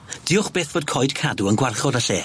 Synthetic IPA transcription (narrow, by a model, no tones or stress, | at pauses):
d̥ɪʊχb̥eːθv̥oːd̥̚kʰɔjd̥kʰaduənɡwarχɔdaɬeː